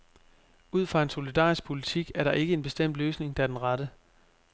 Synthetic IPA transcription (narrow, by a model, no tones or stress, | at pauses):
uð̞̰ˠfʁɑ̈e̝nso̝lid̥ɑ̰̈ːisɡ̥̚pʰo̝lit͡sʰiɡ̥æɐɾɑ̈ʔe̝ɡ̥əe̝nb̥e̝sd̥em̰d̥løːsne̝ŋd̥æɐd̥enʁɑɾ̥ə